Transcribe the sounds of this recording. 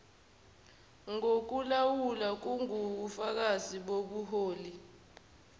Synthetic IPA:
ŋok̬ulawulak̬uŋuɓufak̬aziɓoɓuɦoːli

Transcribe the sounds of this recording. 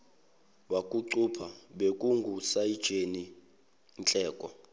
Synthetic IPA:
ɓwakʼuǀupʰaɓekʼuŋɡʱusaid̥ʒ̥ʱeni | nt͡ɬʼɛːkʼɔ

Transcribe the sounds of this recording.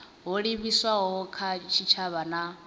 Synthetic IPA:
ɦɔɺiβiswaɦɔkʰat͡ʃʰit͡ʃʰaβana

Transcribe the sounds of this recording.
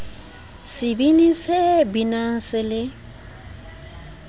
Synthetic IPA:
sɪbinisebinan̩sɪlɪ

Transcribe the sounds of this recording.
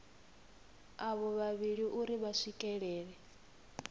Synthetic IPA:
aβɔβaβiɺiʔuɾiβaʂikʼɛɺɛːɺɛ

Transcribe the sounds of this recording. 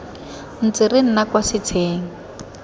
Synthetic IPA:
n̩t͡sirɪn̩nakwasɪt͡sʰeːŋ̩

